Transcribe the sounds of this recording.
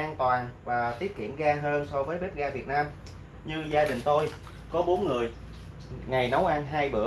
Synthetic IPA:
ʔaː˧nt̪waː˨˩nvaː˨˩t̪i˦˥əp̚kḭ˧˩əmɣaː˧ɦəː˧nsɔ˧vəː˨˦jɓp̚ɣaː˧vi˨˩ət̚naː˧m | ɲɨ˧zaː˧ɗï˨˩ŋ̟t̪o˧j | kɔ˨˦ɓo˨˦nŋɨ˨˩əj | ŋa˨˩jna˨˦wʔa˧nɦaː˧jɓɨ̰˧˩ə

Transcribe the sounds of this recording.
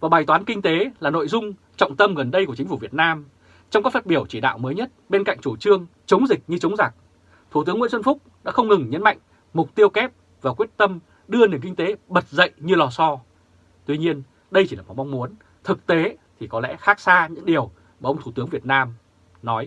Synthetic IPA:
vaː˨˩ɓaː˨˩jt̪waː˨˦nkï˧ŋ̟t̪e˨˦laː˨˩no̰˧˨jzʊ˧ŋ͡m | t͡ɕɔ̰˧˨wŋ͡mt̪ə˧mɣə˨˩nɗə˧jku˧˩ət͡ɕï˨˦fu˧˩vi˨˩ət̚naː˧m | t͡ɕɔ˧ŋ͡mka˨˦˥faː˦˥t̚ɓi˧˩əwt͡ɕi˧˩ɗa̰ː˧˨wməː˨˦jɲə˦˥t̚ɓe˧nka̰˧˨jŋ̟t͡ɕu˧˩t͡ɕɨ˧əŋt͡ɕə˨˦wŋ͡mzï˨˩k̟̚ɲɨ˧t͡ɕə˨˦wŋ͡mza˨˩k̚ | t̪ʰu˧˩t̪ɨ˨˦əŋḭ˧˥nswə˧nfʊ˦˥k͡p̚ɗa̰ː˧˥xə˧wŋ͡mŋɨ˨˩ŋɲə̰˧˥nma̰˧˨jŋ̟ | mʊ˨˩k͡p̚t̪i˧əwkɛ˦˥p̚ | vaː˨˩kwi˦˥ət̚t̪ə˧m | ɗɨ˧əni˨˩ŋkï˧ŋ̟t̪e˨˦ɓə˨˩t̚zə̰˧˨jʔɲɨ˧lɔ˧sɔ˧ | t̪wi˧ɲi˧ən | ɗə˧jt͡ɕi˧˩laː˨˩m̚˨˩m˧wŋ͡mmu˨˦ən | t̪ʰɨ˨˩k̚t̪e˨˦t̪ʰi˨˩kɔ˨˦lɛ̰˧˥xaː˦˥k̚saː˧ɲɨ̰˧˥ŋɗi˨˩əw | maː˨˩ʔə˧wŋ͡mt̪ʰu˧˩t̪ɨ˨˦əŋvi˨˩ət̚naː˧m | nɔ˨˦j

